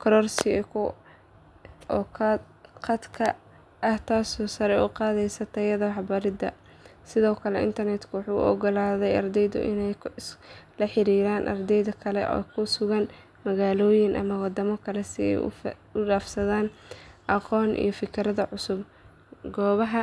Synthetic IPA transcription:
kʰɐɾɔːrsɪɛkʰʊ | ʔɔːkʰ | qɐd̪kʰɐ | ʔɐht̪ʰaːsɔːsɐɾɛʊqɑːðɛjsɐt̪ʰɐjɐðɐħɑbɐɾɪd̪ɐ̰ | sɪðɔːkʰɐlɛʔɪ̰nt̪ʰɐrnɛt̪kʰʊwɑħuːʊ̰ʔɔɡɔlaːðɛjɐrd̪ɛjðʊ̰ʔɪ̰nɛjʰ | lɐħɪɾiːɾaːnʔɐ̰rd̪ɛjðɐkʰɐlɛ̰ʔɔ̰ːkʰʊsʊɣɐn | mɐɣaːlɔːjɪŋʔɐ̰mɐwɑd̪ɐmɐkʰɐlɛsɪɛ̰j̰ʊɖaːfsɐðaːnʔɐqɔːnʔḭjɞfɪkʰɾɐðɐʕʊsʊb | ɡɔːβɐɦɐ

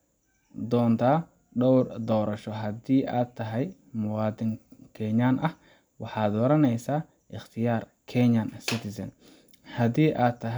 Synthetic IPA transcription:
d̪ɔːnt̪ʰaː | ɖɔwrd̪ɔːɾɐʃɔɦɐd̪iːʔaːt̪ʰɐɦɛj | mʊwɑːd̪ɪŋkʰɛɲanʔɐh | wɑħɑːd̪ɔɾɐnɛjsaː | ʔɪχt̪ʰɪjaːr | kʰɛɲɐnsɪt̪ʰɪsɐ̰n | hɐd̪iːʔaːt̪ʰːɐɦ

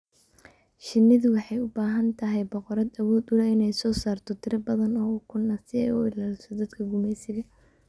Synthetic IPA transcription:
ʃɪnːɪðʊwɑħɑjʊbaːɦɐnt̪ʰɐɦɛjbɔqɔɾɐd̪ɐwɔːd̪ʊlɐɪnɛjsɔːsaːrt̪ʰɔt̪ʰɪɾɐbɐðɐnɔːʊkʰʊnɐsɪɛjʊɪlaːlɪsɔd̪ɐd̪kʰɐɡʊmɛjsɪɣɐ

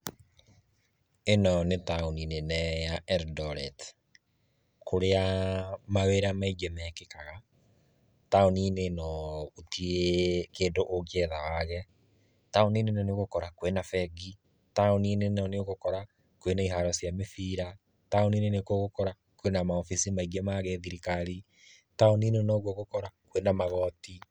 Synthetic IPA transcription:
enɔnetaoninenɛjaɛɾdɔɾɛt | koɾeamaweɾamaid͡ʒɛmɛkekaɣa | taoninenɔotiekeːndoʔoɣɛðawaɣɛ | taoninenɔneɣokɔɾakwenafɛɡi | taoninenɔneoɣokɔɾa | kwenaiɦaɾɔsjamefiːɾa | taoninenekoɣokɔɾa | kwenamaɔfisimaiɡɛmaɣeðiɾikaɾi | taoninenɔɣwoɣokɔɾakwenamaɣɔːti

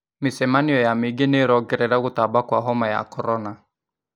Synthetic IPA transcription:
mɪsɛmaniɔjamiɡeneːɾɔɡɛɾɛɾaɣʊtabakwaɦɔmaja̰kɔɾɔna

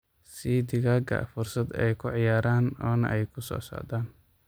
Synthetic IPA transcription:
sid̪ɪɣaːɡɐ̰fʊrsɐd̪ɛjkʰʊʕɑjaːɾaːnɔːnɐ̰ʔɛjkʰʊsɔ̰ːsa̰ːʕd̪aːn

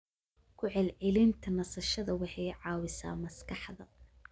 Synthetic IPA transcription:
kʰʊʕɛlʕɛlɪnt̪ʰɐnɐsɐʃɐðɐwɑħɑjʕɑːwɪsa̰ːmɐskʰɑħðɐ

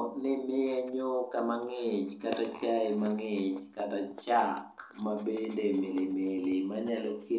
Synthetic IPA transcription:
knɪmɪɛɲʊkamaŋɪt͡ʃkatat͡ʃaɪmaŋɪt͡ʃkatat͡ʃakmabendemelimelɪmaɲaloki

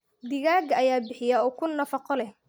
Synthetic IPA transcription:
d̪ɪɣaːɡɐɐjaːbɪħɪjaɔːkʰʊnːɐfɑqɔlɛh

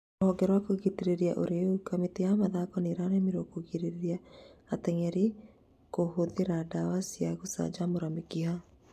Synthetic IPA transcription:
ɔɡɛɾwakoɣitiɾeɾiaʔoɾeukameteamaðakɔneɾanemiɾokoɣiɾeɾeɾiaːt̪ɛŋɛɾi | koɦoðeɾadawasiaɣosa̰d͡ʒamoɾamikiɦa

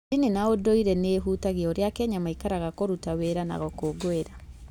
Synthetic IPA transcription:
inenaodoiɾɛneɦuːtaɣeoɾeakɛɲamaikaɾaɣakoɾutaweɾana̰ɣokoɡoeɾa

